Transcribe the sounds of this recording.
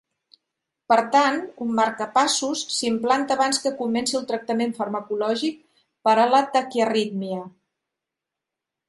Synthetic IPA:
pəɾt̪anumːaɾkəpasusːimplant̪əaːβanskəkumɛnsiəlˠt̪ɾək̚t̪əmeɱfəɾməkulɔʒik̚ | pəɾələt̪akiərit̪miə

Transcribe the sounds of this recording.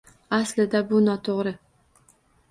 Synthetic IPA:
aslɪd̪abʊnɒt̪ʰoʁɾɪ

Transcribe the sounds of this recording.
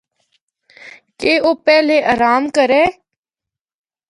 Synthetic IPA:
keːoːpɛːleːʔəːɾaːmkəɾeː

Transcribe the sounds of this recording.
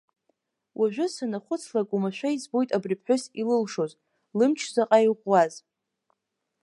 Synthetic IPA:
wʔaʒʷᶣʊsanaχʷʊt͡sʰlakʷʼumaʃʷᶣaizbo̞jtʼabripʰħʷᶣʊsilɨlʂo̞z | lɨmt͡ʃʰzaqʼajʁʷwaz

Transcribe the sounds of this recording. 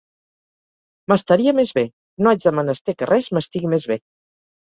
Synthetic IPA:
məst̪aɾiəmezβe | noad͡ʒðəmənəst̪ekərʔɛzməst̪iɣimezβe

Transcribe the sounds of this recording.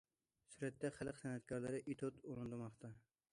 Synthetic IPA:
syɾɛt̪ːɛχælˠqsɛnɛt̪̚kʰɑɾlˠɨɾɪʔit̪ʰot̪olˠɨnd̪ɨɾmɑχt̪ʰɑ

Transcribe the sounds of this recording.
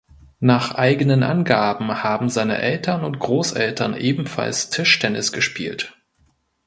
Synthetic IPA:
naːχʔaɪɡənənʔa̰nɡaːbm̩haːbm̩zaɪnə̰ʔɛltʰɐnʊntɡ̥ʁoːsʔɛ̰ltʰɐnʔeːbm̩fa̰lstʰɪʃtʰɛnɪsɡ̥əʃpḭːlt

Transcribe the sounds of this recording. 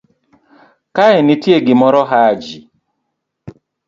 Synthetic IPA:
kaɛnitjeɡɪmɔɾɔɦad͡ʒi

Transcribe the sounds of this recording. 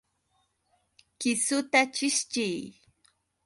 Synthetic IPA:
kɪsʊt̪at͡ʃɪʃt͡ʃɪj

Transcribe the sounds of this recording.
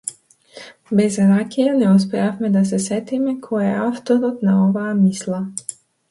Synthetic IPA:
bɛzɾakijanɛuspɛafmɛd̪as̬ɛsɛt̪imɛkʰɔɛaft̪ɔɾɔt̪naɔvaːmislˠa

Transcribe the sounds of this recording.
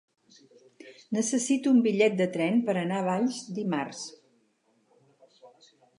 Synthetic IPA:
nəsəsit̪uumbiʎɛt̪̚d̪ət̪ɾɛnpəɾənaəβ̞aʎzd̪imars

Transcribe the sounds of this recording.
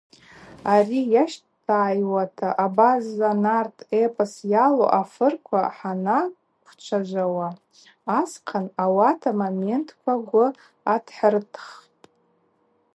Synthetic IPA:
arijaʃttʰaːjwatʰaʔabazanartʰepʼasjalo̰ʔafɨrkʷʰaħana | kʷʰt͡ʃʷʰaʒʷawaː | sqʰanawatʰamame̞ntʰkʷʰaɡʷʊ | adħərtʰχtʼ

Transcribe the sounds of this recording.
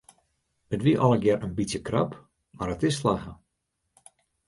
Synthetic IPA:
ətʋiəʔɔlˠəɡjɛrənbitsjəkra̰p | marətɪsːlaxə

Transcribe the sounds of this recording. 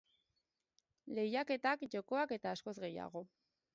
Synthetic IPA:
le̞jake̞t̪akʝo̞ko̞ake̞t̪aːsko̞zɣe̞ja̰ɣ̞o̞

